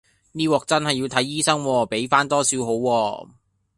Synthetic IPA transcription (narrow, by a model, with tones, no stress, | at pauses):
niː˥wɔː˨k̚t͡sɐ˥nhɐ˨jːi˨˧wt̪ʰɐ˨˥jːiː˥sɐ˥ŋwɔː˧pe˨˥jfaː˥nt̪ɔː˥siː˨˧wɦo˨˥wːɔː˧